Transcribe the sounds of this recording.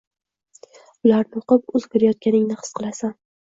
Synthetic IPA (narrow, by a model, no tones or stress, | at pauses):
ʊlaɾnɪoqɨpʊzkʰʲɪɾajɒt̪̚kʲanɪŋnɪχɨ̥sqʰɨlˠasan